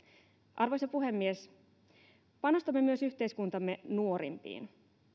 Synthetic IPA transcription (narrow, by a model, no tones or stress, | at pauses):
ʔɑrʋojsɑpuɦe̞mːies | pɑno̞st̪ɑmːe̞myø̞syçt̪e̞jskunt̪ɑmːe̞nuo̞ɾḭmpḭːn